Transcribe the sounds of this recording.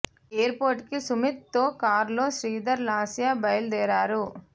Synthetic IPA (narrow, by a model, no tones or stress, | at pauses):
eːɐɾpoːɾʈkisumit̪̚t̪oːkaːɾloːʃɾiːd̪ɐɾlaːsijaːbɐjld̪ɛːɾaːɾu